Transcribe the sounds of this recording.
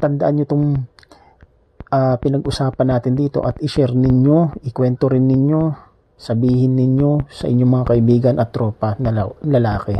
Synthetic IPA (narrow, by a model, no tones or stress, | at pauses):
t̪ɐnd̪ɐʔanɲot̪oŋ | ʔapɪnɐɡʔʊsaːpɐnːaːt̪ɪnd̪iːt̪o̞̰ʔɐt̪ʔɪʃɛɾnɪɲo̞ʔɪkwɛnt̪oɾɪnːɪɲjo̞ | sɐbiːhɪnːɪɲjo̞sɐʔɪ̰ɲːoŋmːɐŋakɐʔɪbiːɡɐnɐt̪ːɾoːpɐnɐlɐlaːkɛ